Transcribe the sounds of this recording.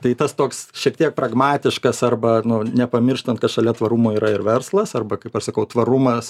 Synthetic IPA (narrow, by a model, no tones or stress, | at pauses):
t̪ɐɪt̪ɐst̪oːksʃʲiɛk̚t̪ʲiɛk̚pɾɐɡmɑːt̪ʲɪʃkɐsɐrbɐnʊnʲɛpɐmʲɪrʃt̪ɐnt̪̚kɐtʃɐlʲɛt̪ʋɐɾumoːiːɾɐɪɾʋʲɛɾslˠɐsɐrbɐkɐɪpɐʃsɐkɐʊt̪ʋɐɾʊmɐs